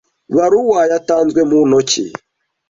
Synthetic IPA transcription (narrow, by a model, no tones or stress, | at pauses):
βaɾuwajataːnzɡwemunocḭ